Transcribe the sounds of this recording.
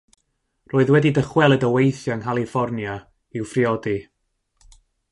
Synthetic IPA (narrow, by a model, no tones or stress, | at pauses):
roːɨðwɛdidəχwɛlˠədəwejθjaŋhalˠifɔrnja | ɪwfriɔdi